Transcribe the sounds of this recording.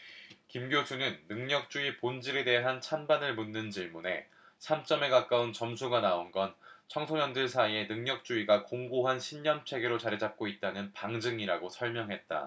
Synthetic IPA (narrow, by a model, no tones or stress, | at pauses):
kimɡjosʰunɯnːɯŋɲʌk̚t͡ɕ͈uipond͡ʑiɾe̞de̞ɦant͡ɕʰanbanɯɭmunːɯnt͡ɕiɭmune̞ | sʰamt͡ɕ͈ʌme̞kak͈aunt͡ɕʌmsʰuɡanaonɡʌnt͡ɕʰʌŋsʰoɲʌndɯɭsʰaie̞nɯŋɲʌk̚t͡ɕ͈uiɡakoŋɡoɦanɕʰimɲʌnt͡ɕʰe̞ɡeɾot͡ɕaɾed͡ʑap̚k͈oit̚t͈anɯnpaŋd͡ʑɯŋiɾaɡosʰʌɭmjʌŋɦe̞t̚t͈a̰